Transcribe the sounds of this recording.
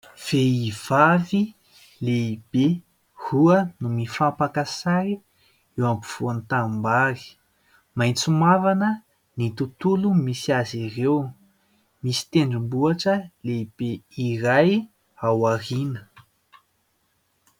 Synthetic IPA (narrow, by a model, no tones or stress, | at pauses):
v̥eiv̥avi | leib̥e | huənumifampakasaɾi | ewambuv̥uanit̪ambaɾi̥ | majnt͡sumavanə | nit̪ut̪ulumisiaziɾew | misi̥t̪eɳɖ͡ʐumbuaʈ͡ʂəleib̥eiɾaj | awarinə